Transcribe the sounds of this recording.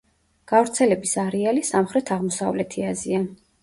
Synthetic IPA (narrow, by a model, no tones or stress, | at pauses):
ɡ̥avɾt̪sʰɛlɛbisaɾɛalisamχɾɛt̪ʰaʁmɔsavlɛt̪ʰiazia